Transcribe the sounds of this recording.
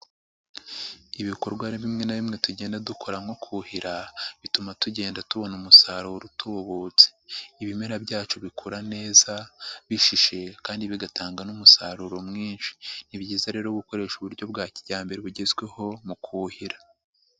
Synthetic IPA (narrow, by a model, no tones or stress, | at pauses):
iβiko̞ɾɡwaɾiβimŋenaβimŋe̞tuɟe̞ːndadukʰo̞ɾamhokʰuhiɾaβitumatuɟe̞ːndatuβo̞numusaɾuɾotʰuβoβut͡se̥iβimeɾabɟaːt͡ʃoβikʰuɾane̞ːzaβiʃiʃe̞kaːndiβiɡatʰaːŋɡanumusaɾuɾo̞mŋiːnʃi̥niβɟiːzaɾe̞ːɾoβuko̞ɾe̞ʃuβuɾɟo̞bɡaːciɟaːmbe̞ɾeβuɟe̞zwe̞ho̞mukʰuhiɾḁ